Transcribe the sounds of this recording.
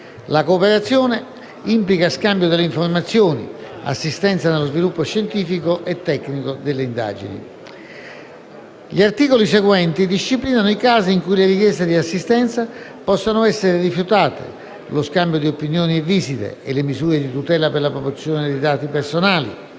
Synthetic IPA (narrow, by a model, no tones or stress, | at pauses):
lakoːpɛɾat̪sːjɔːne | implikaskambjod̪elːeiɱfoɾmat̪sːjɔːnḭa̰sːist̪ɛnt̪sanelːozvilupːoʃent̪iːfikoʔɛt̪ːɛkːnikod̪elːeind̪a̰ːd͡ʒḭnḭ | ʎiart̪iːkolisɛɡwɛnt̪id̪ist͡ʃipliːnanoikaːziːŋkuileɾikjɛst̪ed̪iasːist̪ɛnt̪sa | pɔsːanʊɛsːeɾɪrifjut̪aːt̪ḛ | loskambjod̪iopinjɔːniɛvːisit̪ḛelːemizuːɾed̪it̪ut̪ɛːlaperlapɾopot̪sjɔːned̪id̪aːt̪ipeɾsonaːlḭ